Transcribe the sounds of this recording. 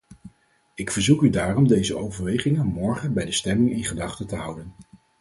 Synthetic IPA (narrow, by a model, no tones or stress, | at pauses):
ɪkfəɹzukydaːrɔmdejzəowvəɹʋejχɪŋənmɔɹχənbɛjdəstɛmɪŋɪnχədɑχtətəɦʌwdən